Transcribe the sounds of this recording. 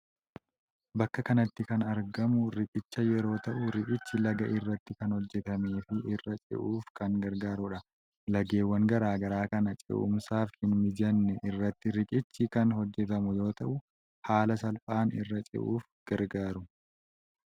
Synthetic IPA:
bɐkːɐkɐnɐt̪ːɪkɐnɐɾɡɐmʊɾɪkʼɪt͡ʃːɐjɛɾo̞ːt̪ɐʔʊɾɪkʼɪt͡ʃːɪlɐɡɐʔɪrːɐt̪ːɪkɐnhɔd͡ʒːɛt̪ɐme̞ːfɪʔɪrːɐt͡ʃʼɪ̰ʔuːfkɐŋɡɐɾɡaːɾʊᶑɐ | lɐɡe̞ːwːɐŋɡɐɾaːɡɐɾaːkɐnɐt͡ʃʼɛ̰ʔʊ̰msaːfhɪnmɪd͡ʒɐnːɛʔɪrːɐt̪ːɪɾɪkʼɪt͡ʃːɪkɐnhɔd͡ʒːɛt̪ɐmʊjo̞ːt̪ɐʔʊ | haːlɐsɐlfʼaːnɪrːɐt͡ʃʼɪ̰ʔuːfɡ̥ɐɾɡaːɾʊ

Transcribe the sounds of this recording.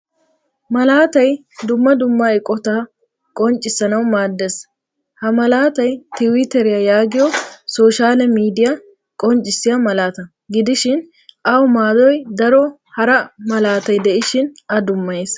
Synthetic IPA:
mɐlaːt̪ɐj | d̪ʊmːɐd̪ʊmːaːɪkʼɔt̪aː | kʼɔnt͡ʃʼːɪsɐnɐwmaːd̪ːɛs | hɐmɐlaːt̪ɐjt̪ɪwɪt̪ɛɾɪjɐjaːɡɪjɔsoːʃaːlɛmiːd̪ɪjɐ | kʼɔnt͡ʃʼːɪsːɪjɐmɐlaːt̪ɐ | ɡɪd̪ɪʃɪn | ʔɐwʊmaːd̪ɔjd̪ɐɾɔ | hɐɾɐmɐlaːt̪ɐjd̪ɛʔɪʃɪnɐd̪ʊmːɐjs

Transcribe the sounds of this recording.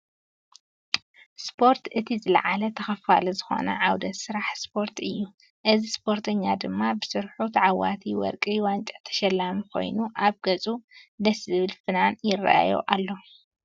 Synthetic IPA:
spʰo̞ɾt̪ʔɨt̪ʰizɨlɐ̰ʕalɐt̪ʰɐxɐfalɐzɨxo̞̰nɐ̰ʕawd̪ɐt̪sɨɾaħspʰo̞ɾt̪ʰɨjːu | ʔɨzispʰo̞ɾt̪ʰɐɲːad̪ɨmːabɨsɨɾħut̪ʰʕawa̰t̪ʰiwɔ̰ɾkʼiwant͡ʃʼɐt̪ʰɐ̥ʃɐlːamikʰo̞̰jnuʔaβɡɐt͡sʼud̪ɐsɨβɨlfɨnanjɪrːa̰ʔa̰jo̰ʔalːo̞

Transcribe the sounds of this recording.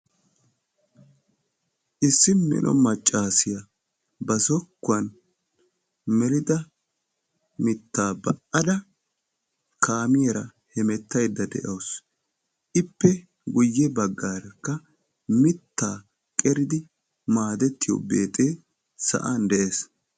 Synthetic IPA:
ʔɪsːɪmɛ̰nʔɔ̰mɐt͡ʃʼːaːsɪjɐ | bɐsɔkːʊɐn | mɛlɪd̪ɐ | mɪt̪ːaːbɐʔɐd̪ɐ | kʰaːmɪjɛɾɐhɛmɛt̪ːɐjd̪ːɐd̪ɛ̰ʔɐws | ʔɪpːɛ | ɡʊjːɛbɐɡːaːɾɛkːɐ | mɪt̪ːaː | kʼɛɾɪd̪ɪ | maːd̪ɛt̪ːɪjo̰be̞ːt̪ʼeː | sɐ̰ʔand̪ɛʔeːs

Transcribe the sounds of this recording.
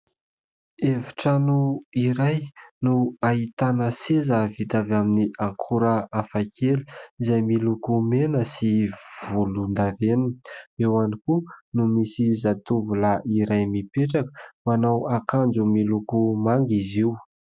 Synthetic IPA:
eviʈ͡ʂanuiɾajnuait̪anəsezəvit̪avaminiʔaŋkʰuɾəafakʰeli̥izajmilukumenəsivulund̪aveniewanikunumisizat̪uvulaʔiɾajmipeʈ͡ʂakə̥manawakand͡zumilukumaŋɡiziw

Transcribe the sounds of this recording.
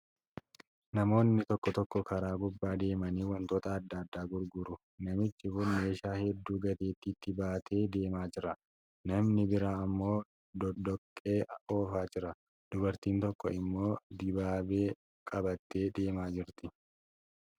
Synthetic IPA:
nɐmo̞ːnːɪt̪ɔkːɔt̪ɔkːɔkʰɐɾaːɡʊbːaːd̪e̞ːmɐniːwɐnt̪oːt̪ɐːd̪ːɐːd̪ːaːɡʊɾɡʊɾʊ | nɐmɪt͡ʃːɪfʊnme̞ːʃaːhɛd̪ːuːɡɐt̪eːt̪ːit̪ːɪbaːt̪ʰe̞ːd̪e̞ːmaːd͡ʒɪɾɐ | nɐmnɪbɪɾaːɐmːo̞ː | d̪d̪ɔkʼːe̞ːo̞ːfaːd͡ʒɪɾɐ | d̪̥ʊbɐɾt̪iːnt̪ɔkːɔ̰ɪmːo̞ːd̪ɪbaːbeː | kʼɐbɐt̪ːe̞ːd̪e̞ːmaːd͡ʒɪɾt̪ɪ

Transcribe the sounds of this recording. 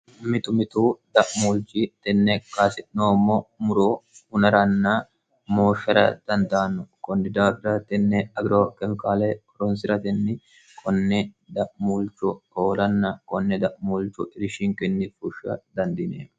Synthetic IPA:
mɪt̪ʊmɪt̪uːd̪ɐʔmuːlt͡ʃit̪ɛnːɛkaːsɪʔnoːmːomʊɾoːʊnɐɾɐnːa | moːʃːɐɾɐ̰d̪̥ɐnd̪aːnːʊkʼɔnːɪd̪aːbɪɾɐt̪ɛnːɛɐɡɾoːkɛmkaːlɛ | ɾɔnsɪɾɐt̪ɛnːɪ | kʰʼɔnːɛd̪ɐʔmult͡ʃʊoːlɐnːɐkɔnːɛd̪ɐʔmult͡ʃʊʔɪɾɪʃiŋkɛnːɪfʊʃːɐ̰d̪ɐnd̪ɪnɛ̰

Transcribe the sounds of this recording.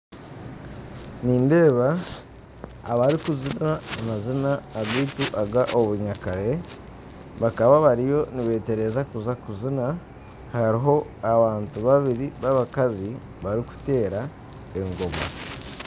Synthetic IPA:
niːnde̞ːβa | βaɾikuzinaimazinaːβiːtuʔaɡaʔoβuɲakaɾe̞ | βakaβaβaɾijo̞niβe̞ːte̞ɾe̞zakuzakuzina | haɾiɦo̞aβaːntuβaβiɾiβaβakazi | βaɾiku̥te̞ːɾa | e̞ŋɡo̞ma̰

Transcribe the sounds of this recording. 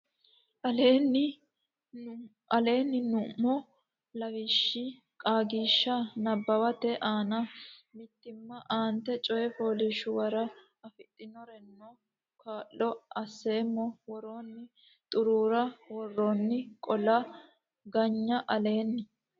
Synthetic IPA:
ʔɐleːnːɪ | ʔɐle̞ːnːɪnʊmːɔ | lɐwɪʃːi | kʼaːɡiːʃːɐnɐbːɐwɐt̪ɛʔaːnɐmɪt̪ːɪmːɐʔaːnt̪ːɛt͡ʃʼɔjɛfoːliʃʊwɐɾɐ | ɐfɪt̪ʼːɪnɔɾɛnːɔ | kʰaːʔːɔɐsːe̞ːmːɔwɔɾoːnːɪ | t̪ʼʊɾuːɾɐwɔrːoːnːɪkʼɔlɐ | ɡɐɲːɐʔɐle̞ːnːɪ

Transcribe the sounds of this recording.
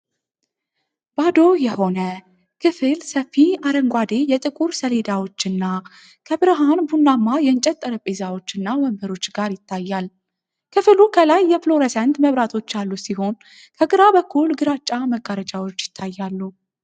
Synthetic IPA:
b̥ad̪o̞jɛho̞nə | kʰɨfɨlsəfːiaɾəŋɡʷad̪e̞jɛt̪ʼɨkʼuɾsəle̞d̪awo̞t͡ʃːɨnːa | kʰəbɨɾəɦanbunːamːajɛɨnt͡ʃʼɛt̪ʼːəɾəpʼezawo̞t͡ʃːɨnːawəmbəɾo̞t͡ʃːɡaɾjɪt̪ʰːajːal | kʰɨfɨlukʰəlajːɛflo̞ɾesant̪məβɾat̪ʰo̞t͡ʃːjalːusiho̞n | kʰəɡɨɾabəkʰːulɡɨɾat͡ʃʼːaməɡaɾət͡ʃʼawo̞t͡ʃːjɪ̥t̪ʰːajːalːu

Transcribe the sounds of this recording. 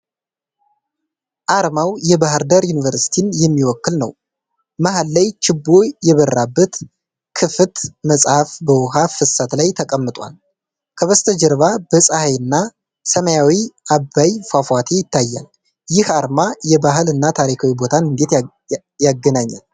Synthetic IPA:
ʔaɾmawjɛbaɦɨɾd̪əɾjunivəɾsi̥t̪ʰinjɛmːiwɔkːɨlnə̰w | maɦalːajt͡ʃɪbːojɛβərabːət̪ | kʰɨfɨt̪məsʼhafbəwɦafɨsat̪lajt̪ʰəkʼəmːɨt̪ʼwa̰l | kʰəβəst̪ʰəd͡ʒɛɾβabəsʼahajɨnːa | səməjawiʔabːajfafwat̪ʰe̞jɪt̪ːajːa̰l | jɪhaɾmajɛbaɦɨlɨnːat̪ʰaɾikʰawibo̞t̪ʰanɨnd̪e̞t̪ | jaɡənaɲːa̰l

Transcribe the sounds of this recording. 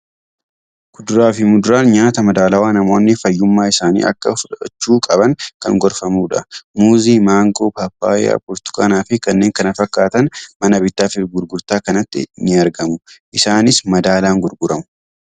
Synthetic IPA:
ɡ̥ʊd̪ʊɾaːfɪmʊd̪ʊɾaːnɲaːt̪ɐmɐd̪aːlɐwaːnɐmo̞ːnːɪfɐjːʊmːaːɪsaːnḭːʔɐ̰kːɐfʊᶑɐɐ̰t͡ʃːuːkʼɐbɐŋkɐ̰ŋɡɔɾfɐmuːᶑɐ̰muːziːmaːŋɡo̞ːpapːa̰ːa̰pʊɾt̪ʊ̥kɐnaːfɪkɐnːe̞ːŋkɐnɐfɐkːaːt̪ɐnmɐnɐbɪt̪ːaːfɪɡʊɾɡʊɾt̪aːkɐnɐt̪ːɪ̰nːɪɐɾɡɐmʊʔɪsaːnɪsmɐd̪aːlaːŋɡʊɾɡʊɾɐmʊ̥

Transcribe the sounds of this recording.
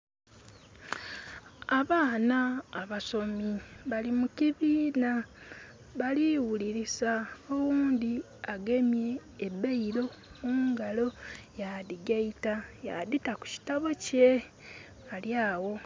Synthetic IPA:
aβaːnaːβaso̞miβalimuciβiːna | βaliwuliɾisaowuːnd̪i | aɡemje̞ːbeiɾo̞ | muːŋɡalo̞jadiɡeitaja̰ditaku̥ci̥taβoce | aljaːwo̞

